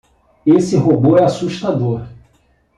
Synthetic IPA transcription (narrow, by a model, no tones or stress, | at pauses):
esɪɦoboɛasuʃt̪ad̪oɾ